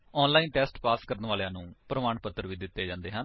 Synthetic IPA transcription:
ɔːnlaːiːnʈɛːsʈpaːskəɾənʋaːlejãːnũːpəɾəmaːɳpət̪ːəɾʋiːd̪ɪt̪ːeːd͡ʒãːnd̪eːɦən

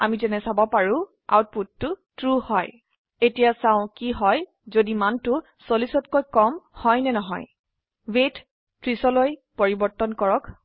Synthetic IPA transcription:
a̰mitɛnɛsabɔpaɹʊ̃ | a̰wt̚putːʊtɹuhɔj | etijasãʊ̃kiɦɔj | zodimantʊ | solisɔtkojkɔmhɔjnɛnɔɦɔ̰j | wet | tɹisɔlojpoɹibɔɹtɔnkɔɹɔk

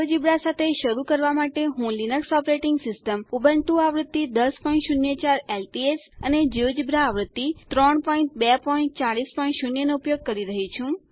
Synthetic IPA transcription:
d͡ʒibɾasat̪ʰeʃəɾukəɾʋamaʈeɦũlinəksɔpɾeʈiŋɡsɪsʈəmubəɳt̪ũaʋɾət̪ːid̪əspɔĩnʈʃunjət͡ʃaɾelʈiesəned͡ʒiod͡ʒibɾaːʋɾət̪ːit̪ɾɔɳpɔĩɳʈ̚bɛpɔiɳʈt͡ʃaɽispɔĩɳʈʃunjənoupjoɡ̚kəɾiɾəɦit͡ʃʰũ

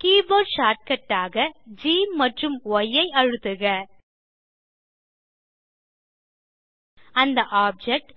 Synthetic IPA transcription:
kiːboːɖʃaːɾʈ̚kɐʈːaːɣɐd͡ʒiːmːɐʈrɯmɔjːɐɪɐɻɯt̪ːɯɣɐ | ɐnd̪ɐʔaːp̚d͡ʒɛk̚ʈ

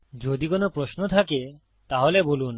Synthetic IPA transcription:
d͡ʑod̪ikonopɾosnot̪ʰake | t̪aɦolebolun

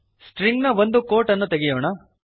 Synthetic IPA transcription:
sʈɾiŋɡnɐʋond̪ukoːɾʈɐnːut̪eɡijoːɳɐ

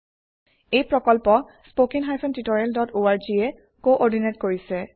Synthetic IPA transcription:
ejpɹɔkɔlpɔ | spokinɦajpʰɔntitɔɹialdɔtoaɹziɛ | koʔɔɹdinetkoɹisɛ

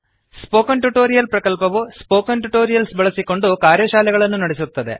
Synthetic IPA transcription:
spo̞ːkɐɳʈuʈo̞ːɾijɐlpɾɐkɐlpɐʋuspo̞ːkɐnʈuʈo̞ːɾijɐlsbɐɭɐsiko̞ɳɖukaːɾjɐʃaːlɛɡɐɭɐnːunɐɽisut̪ːɐd̪e̞̰

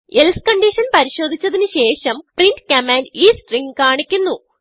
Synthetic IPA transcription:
elskɐɳɖiʂɐnpɐɾiɕo̞ːd̪ʱit͡ɕːɐðinɨɕe̞ːʂɐmpriɳɖkɐmaːnɖiːsʈriŋɡkaːɳikʲːunːu

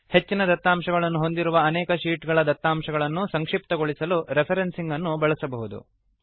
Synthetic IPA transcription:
he̞t͡ʃːinɐd̪ɐt̪ːaːmʃɐɡɐɭɐnːuɦo̞nd̪iɾuʋɐːnɛːkɐʃiːʈɡɐɭɐd̪ɐt̪ːaːmʂɐɡɐɭɐnːusɐŋkʂip̚t̪ɐɡoɭisɐluɾepʰɐɾensiŋɡɐnːubɐɭɐsɐbɐɦud̪ṵ

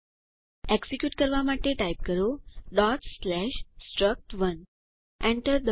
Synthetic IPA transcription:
eksikjuːʈkəɾʋamaʈːeʈajp̚kəɾoɖɔʈslæɕsʈɾək̚ʈʋən | ɛ̃ɳʈəɾd̪

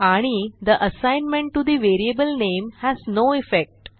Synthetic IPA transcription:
aɽ̃id̪əʔəsãjnmẽɳʈːud̪iʋeɾiebəlnemhæznoifek̚ʈ

